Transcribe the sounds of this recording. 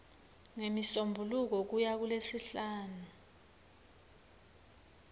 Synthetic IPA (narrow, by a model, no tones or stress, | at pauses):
ŋemisombʱuluk̬ɔk̬ujak̬ulesiɬaːnu